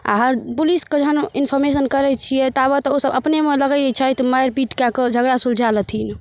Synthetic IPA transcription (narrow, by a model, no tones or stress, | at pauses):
a̰ɦəɾpulisked͡ʒəɦəninpʰɔɾmesənkəɾɛt͡ʃʰijɛt̪abət̪ɔosəbəpnemeləɡɛɛt͡ʃʰət̪majɾpiʈkakəd͡ʒʱəɡɽasuld͡ʒʱalət̪ʰin